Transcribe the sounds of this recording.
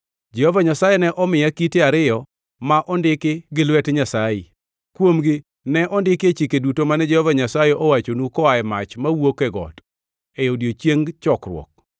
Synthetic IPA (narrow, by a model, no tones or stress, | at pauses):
d͡ʒɛhɔvaɲasajɛnɛʔɔmɪakiteaɾɪjɔ | maʔɔndɪkɪɡɪlwɛtɲasajɪ | kwomɡɪ | nɛʔɔndɪket͡ʃikedutomanɛd͡ʒɛhɔvaɲasajeʔowat͡ʃonukɔaɛmat͡ʃmawokɛɡɔ̰t | ejodjot͡ʃjeŋt͡ʃɔkɾwɔ̰k̚